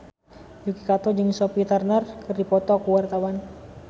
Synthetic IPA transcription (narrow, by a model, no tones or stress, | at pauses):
d͡ʒukikat̪ɔd͡ʒɨŋsɔpit̪arnərkɨrdipɔt̪ɔkuwart̪awan